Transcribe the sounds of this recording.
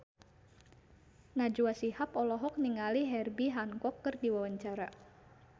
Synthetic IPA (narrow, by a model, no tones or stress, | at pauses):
nad͡ʒuasihapɔlɔɦɔk̚niŋaliɦɛrbiɦaŋkɔkːərdiwawaɲt͡ʃaɾa